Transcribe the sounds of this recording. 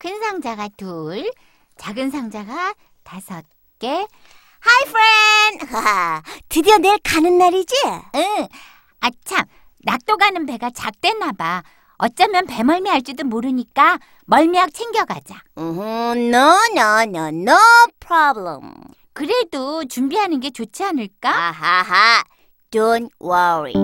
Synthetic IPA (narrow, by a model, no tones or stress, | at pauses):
kʰɯnsʰaŋd͡ʑaɡatuɭ | t͡ɕaɡɯnsʰaŋd͡ʑaɡa | tasʰʌt̚ | k͈e̞ | hajpʰɾenhatɯdiʌneɭkanɯnːaɾid͡ʑiɯ | at͡ɕʰam | nak̚t͈oɡanɯnpe̞ɡat͡ɕak̚t͈we̞nːaba | ʌt͡ɕ͈amjʌnpe̞mʌɭmiɦaɭt͡ɕ͈idomoɾɯɲik͈a | mʌɭmiɦak̚t͡ɕʰeŋɡjʌɡa̰d͡ʑaɦnonʌnʌnopʰɾablə̰m | kɯɾe̞dot͡ɕumbiɦanɯnɡe̞t͡ɕot͡ɕʰianɯɭk͈aɦaɦa | don̚wʌɹḭ